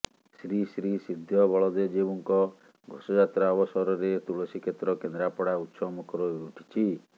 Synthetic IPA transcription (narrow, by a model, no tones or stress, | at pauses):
sɾisɾisid̪ʱjɔbɔɭɔd̪ed͡ʒebɔŋkɔ | ɡʱɔsɔd͡ʒat̪ɾaɔbɔsɔɾɔɾet̪uɭɔsikʰet̪ɾɔkend̪ɾapɔɽaut̪sɔmɔkɔɾɔuʈʰi̥t͡ʃʰi